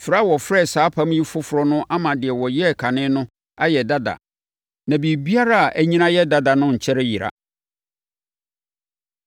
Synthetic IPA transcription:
fɾa˦wɔ˨fɾɛ˦˨saː˨˦pʰã˦mji˦fʊ˦fʊ˨ɾɔ˦nʊ̃˦ʔa˦mã˨dɪ˨ɛ˨wɔ˨jɛ˦˨kʰa˨nɪ̃˦nʊ̃˦ | a˦jɛ˨da˦da̰˨ | nã˨bi˨bi˦a˦ɾa˦a˨ʔæ˦ɲĩ˦nã˦jɛ˦da˦da˨nʊ̃˦ɲ̩˨t͡ɕʰɛ˦ɾɪ˦ji˨ɾa̰˨

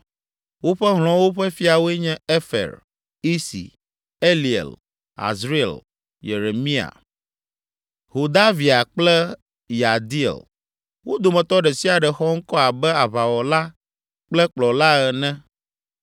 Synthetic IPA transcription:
wo˦ɸɛ˦ɦl̃ɔ̃˨wo˦ɸɛ˦fi˦a˨wo˦ɛ˦ɲɛ̃˦e˦fɛ̰˨ɾ | i˦sḭ˨ | e˦li˨ḛ˨l | a̰˨zɾi˦ɛ̰˨l | je˨ɾe˨mĩ˦a̰˨ | ho˨d̪a˦vi˨a˨k͡plɛ˦ | ja˨d̪i˦ḛ˨l | wo˦d̪o˨mɛ̃˨t̪ɔ˦ɖɛ˨si˦a˨ɖɛ˨xɔ˦ŋ̩˦kɔ˦a˨bɛ˦a˨βa˨wɔ˨la˦ | k͡plɛ˦k͡plɔ˨la˦ɛ˨nɛ̃˦

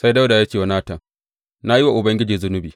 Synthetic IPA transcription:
sa˦jda˦wda˨ja˦kʲeː˨wa˨˦naː˦tɐ˨ŋ | na˦ji˦wa˨ʔʊ˨bɐ˦ŋɡʲɪ˦d͡ʒiː˨zʊ˦nʊ˦biː˨

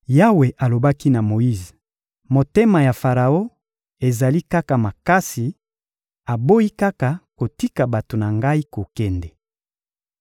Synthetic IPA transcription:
ja˦we˨ʔa˨lo˨ba˦ki˦na˨mo˨i˦z | mo˨te˦ma˨ja˨fa˨ʁa˨o˦ | e˨za˨li˦ka˦ka˨ma˨ka˦si˨ | a˨bo˦i˦ka˦ka˨ko˨ti˦ka˨ba˨to˨na˨ŋɡa˦i˦ko˨kɛ˦ndɛ˨

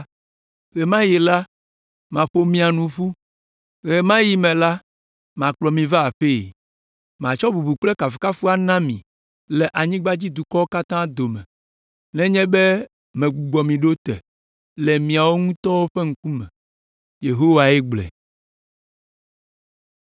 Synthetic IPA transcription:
ɣe˨mã˦je˨la˦ | mã˨ɸo˦mĩ˦a˨nũ˨ɸu˦ | ɣe˨mã˦ji˦mɛ̃˨la˦ | mã˨k͡plɔ˨mĩ˨va˦a˨ɸe˦˨ | mã˨t͡ʃɔ˦bu˨bu˨k͡plɛ˦ka˨fi˨ka˦fu˦a˦nã˦mḭ̃˨ | lɛ˨ʔa˨ɲĩ˦ɡ͡ba˦d͡ʑi˦d̪u˨kɔ˦wo˦ka˦t̪ã˦d̪o˨mɛ̰̃˨ | nɛ̃˦ɲɛ̃˦bɛ˦ | mɛ̃˨ɡ͡bu˨ɡ͡bɔ˨mĩ˨ɖo˦t̪ɛ̰˨ | lɛ˨mĩ˨a˨wo˦ŋũ˦t̪ɔ˦wo˦ɸe˦ŋ̩˦ku˦mɛ̰̃˨ | je˨ɦo˦wa˨ɛ˦ɡ͡blɛ̰˨

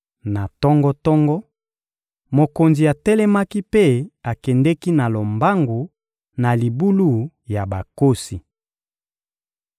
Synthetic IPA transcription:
na˨tɔ˦ŋɡɔ˦tɔ˦ŋɡɔ˦ | mo˨ko˨nzi˨a˨tɛ˦lɛ˦ma˦ki˦pe˦˨a˨kɛ˨ndɛ˦ki˦na˨lo˨mba˦ŋɡu˨ | na˨li˨bu˦lu˦ | ja˨ba˨ko˦si˨

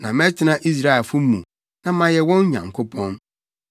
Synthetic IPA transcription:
nã˨mɛ̃˦tʰɪ˨˦nã˦ʔi˦s̬ɾa˦ɛ˨fʊ˦mṵ̃˨ | nã˦mã˨jɛ˨wɔ̃˦n˦ɲã̰˨ŋkʰo˦pʰɔ̃˦n

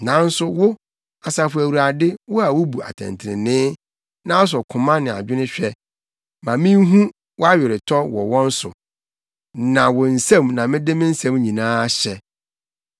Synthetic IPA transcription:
nã˨˦n̩˦sʊ˦wʊ˦ | a˨sa˨fʊ˦æ˨wu˨ɾa˨dɪ˦wʊ˦a˨wʊ˦bu˨a̰˨tʰɛ̰̃˨ntʰɪ˨ɾɪ̃˨nɪ̃ː˦ | nã˦s̬ɔ˨kʰʊ̃˨mã˦nɪ̃˨a̰˨d͡ʑᶣɪ˦nʊ̃˦ɕᶣɛ˦ | mã˨mɪ̃˦n˦ɦũ˦ | wɔ˦a˦ɥɛ˨ɾɪ˨tʰɔ˦wɔ̰˨wɔ̃˦n̩˦sʊ̰˨ | nã˨wʊ˨n̩˨sɛ̃˦mnã˨mɪ̃˦dɪ˦mɪ̃˦n̩˦sɛ̃˦m˦ɲĩ˨nãː˦ɕɛ˨

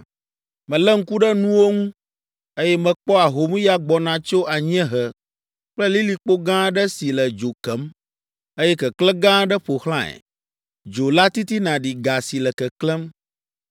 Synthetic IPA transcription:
mɛ̃˨lɛ˦ŋ̩˦ku˦ɖɛ˦nũ˦wo˦ŋũ˦ | e˦jɛ˦mɛ̃˨k͡pɔ˦a˨ɦo˨mĩ˦ja˦ɡ͡bɔ˨nã˨t͡ʃo˦ʔa˨ɲ˦ɛ̃˦ɦə˨ | k͡plɛ˦li˦li˨k͡po˦ɡã˦ɖɛ˦si˨lɛ˨d͡ʒo˨kɛ˨˦m | e˦jɛ˦kɛ˨klɛ˦ɡã˦ɖɛ˦ɸo˨xlã˦ɛ̰˨ | d͡ʒo˨la˦t̪i˦t̪i˦nã˨ɖi˨ɡa˨si˨lɛ˨kɛ˨klɛ˦m

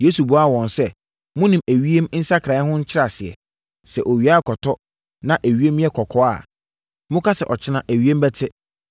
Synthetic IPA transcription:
je˨˦su˨bu˨a˦˨wɔ̃˨nsɛ˦ | mʊ̃˦nĩ˨mæ˨ɥi˦e˦m˦n̩˦sa˦kʰɾã˨˦hʊ̃˦ɲ̩˦t͡ɕʰɪ˦ɾa˨sɪ˨ɛ̰˨ | sɛ˨ʔo˨ɥi˨˦a˦˨kʰɔ˨tʰɔ˦ | nã˦ʔæ˨ɥi˦e˦m˦ɛ˦kʰɔ˨kʰɔ˦a̰˨ | mʊ̃˦kʰa˦sɛ˨ʔɔ˨t͡ɕʰɪ˦nã˨ʔæ˨ɥi˦e˦m̩˦bɛ˦tʰɪ˦

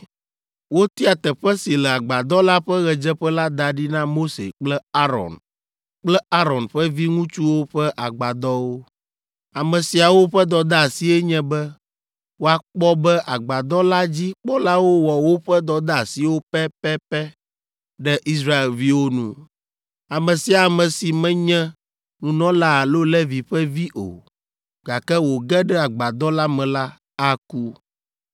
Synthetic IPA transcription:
wo˦t̪i˦a˨t̪ɛ˨ɸɛ˦si˨lɛ˨a˨ɡ͡ba˨d̪ɔ˦la˦ɸɛ˦ɣɛ˨d͡ʒɛ˦ɸɛ˦la˦d̪a˨ɖi˦nã˦mo˦sḛ˨k͡plɛ˦a˦ɾɔ̰˨n | k͡plɛ˦a˦ɾɔ˨nɸɛ˦vi˦ŋũ˦t͡ʃu˦wo˦ɸɛ˦ʔa˨ɡ͡ba˨d̪ɔ˦wo˦ | a˨mɛ̃˨si˨a˨wo˦ɸɛ˦d̪ɔ˨d̪a˦a˨si˦ɛ˦ɲɛ̃˦bɛ˦ | wo˦a˨k͡pɔ˦bɛ˦ʔa˨ɡ͡ba˨d̪ɔ˦la˦d͡ʑi˦k͡pɔ˦la˦wo˦wɔ˨wo˦ɸɛ˦d̪ɔ˨d̪a˦a˨si˨wo˦pɛ˦pɛ˦pɛ˦ | ɖɛ˦ʔi˦sɾa˦e˨lvi˦wo˦nṵ̃˨ | a˨mɛ̃˨si˨a˨mɛ̃˨si˨mɛ̃˦ɲɛ̃˦ | nũ˨nɔ̃˦la˦a˨lo˦lɛ˦vi˨ɸɛ˦vi˦ʔo̰˨ | ɡa˨kɛ˦wo˨ɡɛ˦ɖɛ˦a˨ɡ͡ba˨d̪ɔ˦la˦mɛ̃˨la˦ | a˦ku˦

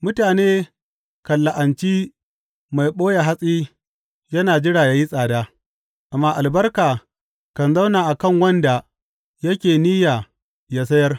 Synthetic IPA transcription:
mʊ˦taː˨neː˦ | kɐ˨lːa˨ʔa˨nt͡ʃiː˦ | ma˨jɓoː˦ja˨ɦa˦sʼiː˦ | jɐ˦naː˨d͡ʒɪ˦ɽaː˨jaː˨ji˦sʼaː˨daː˦ | ʔa˨mːaː˦ʔa˨lbɐ˦rkaː˨ | kɐ˨nza˦wnaː˨ʔa˨kɐ˦˨ŋwɐ˦nda˨ | jɐ˦kʲeː˨niː˦jaː˨ | jaː˦s̬ɐ˦jɐ˦r

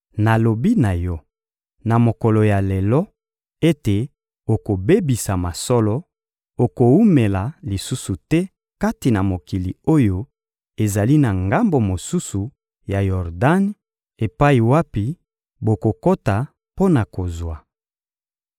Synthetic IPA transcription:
na˨lo˨bi˦na˨jɔ˦ | na˨mo˨kɔ˨lɔ˨ja˨le˨lɔ˦ | e˦te˨ | o˨ko˨be˦bi˨sa˨ma˨sɔ˦lɔ˦ | o˨ko˨u˦me˨la˨li˨su˦su˨tɛ˦ | ka˦ti˨na˨mo˨ki˨li˨o˦jo˦ | e˨za˨li˦na˨ŋɡa˦mbo˨mo˨su˦su˨ | ja˨jɔ˨ʁda˦n | e˨pa˦i˨wa˦pi˨ | bo˨ko˨ko˦ta˨ | po˦na˨ko˨zwa˨

